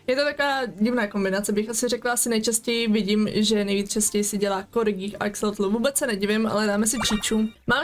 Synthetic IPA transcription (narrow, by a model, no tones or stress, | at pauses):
jɛt̪ot̪akovaːɟɪvnaːkombɪnat͡sɛbɪxasɪrɛklaasɪnɛjt͡ʃascɛjɪvɪɟiːmʒɛnɛjviːt͡st͡ʃascɛjisɪɟɛlaːkoɾɪɡiːxa̰ɛksɛlt̪luvuːbɛt͡ssɛnɛɟɪvɪmʔa̰lɛdaːmɛsɪpr̝̥it͡ʃuːmaːm